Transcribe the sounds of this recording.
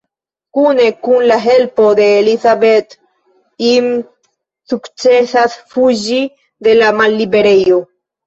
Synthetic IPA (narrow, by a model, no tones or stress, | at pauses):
kunekunlaɦelpod̪eːlisabet̪ | im | sukt͡ʃesasfuʒi | d̪elamalːibeɾejo